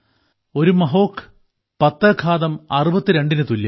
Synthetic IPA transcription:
o̞ɾumɐɦoːkʰːɨ̥ | pɐt̪ːɐkʰːaːðɐmɐrubɐt̪ːɨɾe̞ɳɖinɨt̪ulːɐ

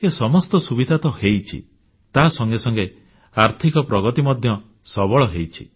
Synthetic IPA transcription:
esɔmɔst̪ɔsubid̪ʱat̪ɔhejt͡ʃʰḭ | t̪asɔŋɡesɔŋɡe | aɾt̪ʰikɔpɾɔɡɔt̪imɔd̪ʱjɔ | sɔbɔɭɔɦejt͡ʃʰḭ

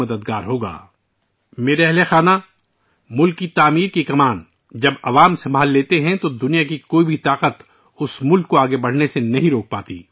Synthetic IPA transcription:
ɐd̪əd̪̚ɡaːɾɦoːɡa̰ː | meːɾeɛɦlexaːna | mʊlkːit̪aːmiːɾkikɐmaːn | d͡ʒɐbɐʋaːmsɐ̃mbʱaːlːeːt̪eɦɛ̃t̪od̪ʊnijak̬ikoːibʱit̪aːqət̪ | ʊsmʊlkːoaːɡebɐɽ̤nesenɐɦĩɾoːk̚paːt̪ḭː

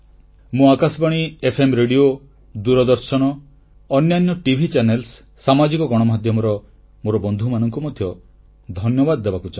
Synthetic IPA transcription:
mũakasbaɽ̃iepʰemɾeɽio | d̪uɾɔd̪ɔɾsɔɽ̃ɔː | njanjɔʈibʱit͡ʃanelsː | amad͡ʒikɔɡɔɽ̃ɔmad̪ʱjɔmɔɾɔ | moɾɔbɔnd̪ʱumanɔŋkumɔd̪ʱjɔ | d̪ʱɔnjɔbad̪ɔd̪ebakut͡ʃa

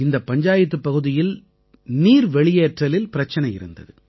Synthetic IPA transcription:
ɪnd̪ɐpːɐɲd͡ʒaːjɐt̪ːɯpːɐɣɯðɪjɪl | niːɾʋɛɭɪjeːʈrɐlɪlpɪɾɐt͡ʃːɐnɐɪjɪ̰ɾɯ̰nd̪ɐ̰ðɯ

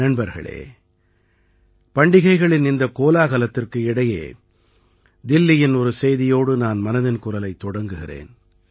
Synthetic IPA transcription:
ɐɳbɐɾɣɐ̰ɭḛː | pɐɳɖɪɣɐɪɣɐɭɪnɪnd̪ɐkoːlaːɣɐlɐt̪ːɪrkɯɪɽɐjḛː | d̪ɪlːɪjɪnɔɾɯsɛjðɪjoːɽɯnaːnmɐnɐðɪnkʊɾɐlɐɪt̪ːɔɽɐŋɡɯɣɪrḛːn

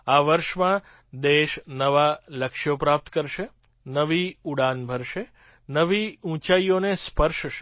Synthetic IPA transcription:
aʋəɾʃmã | d̪eʃnəʋaləkʃjopɾap̚t̪kəɾʃe | nəʋiuɽanbʱəɾʃe | nəʋiũt͡ʃaijonespəɾʃʃe

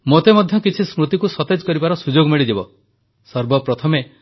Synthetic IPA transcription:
mot̪emɔd̪ʱjɔkit͡ʃʰismɾut̪ikusɔt̪ed͡ʒkɔɾibaɾɔsud͡ʒoɡmiɭidibɔ | sɔɾbɔpɾɔt̪ʰɔme

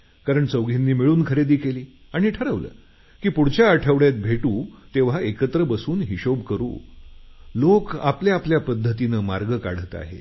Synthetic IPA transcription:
kaɾəɳt͡səʋɡinːiːmiɭuːnkʰəɾed̪iːkeliː | aɽ̃iʈʰəɾəʋlə̰ː | kiːpuɽt͡ɕaːʈʰəʋɽjat̪̚bʱeʈuːt̪eʋ̤aekət̪ɾəbəsuːnɦiɕobkəɾṵː | loka̰pljaːpljapəd̪ʱːət̪inəmaɾɡəka̰ɽ̤ət̪a̰ɦḛ

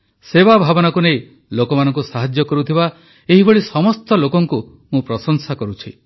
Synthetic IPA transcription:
sebabʱabɔnakunej | lokɔmanɔŋkusaɦad͡ʒjɔkɔɾut̪ʰiba | eɦibɔɭisɔmɔst̪ɔlokɔŋku | mũpɾɔsɔŋsakɔɾut͡ʃʰi

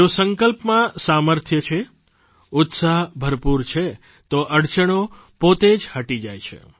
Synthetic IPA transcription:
eosəŋkəlpmãsaməɾt̪ʰjət͡ʃʰe | ʊt̪saɦbʱəɾpuɾt͡ʃʰe | t̪oʔəɽt͡ʃəɳ̃o | pot̪ed͡ʒhəʈid͡ʒajt͡ʃʰḛ

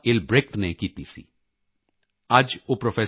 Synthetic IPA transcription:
ɪlbɾeːkʈnekiːt̪isḭ | ad͡ʒopɾofʰeː

